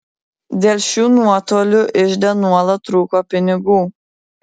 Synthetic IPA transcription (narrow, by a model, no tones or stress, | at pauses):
d̪ʲeːlʲʃʲuːnuɔt̪oːlʲʊʔɪʃd̪ʲɛnuɔlˠɐt̪ɾuːkoːpʲɪnʲɪɡuː